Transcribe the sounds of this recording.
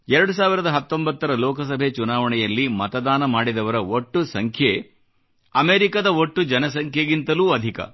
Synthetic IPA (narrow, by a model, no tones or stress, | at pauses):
ɛɾɐɽus̬aːʋiɾɐd̪ɐɦɐt̪ːo̞mbɐt̪ːɐɾɐlɔːkɐs̬ɐbʱet͡ʃunaːʋɐɳɛjɐlːimɐt̪ɐd̪aːnɐmaːɽid̪ɐʋɐɾɐoʈːusɐŋkʰje | ɐmeːɾikɐd̪ɐoʈːud͡ʒɐnɐs̬ɐŋkʰjeɡint̪ɐluːɐd̪ʱikɐ̰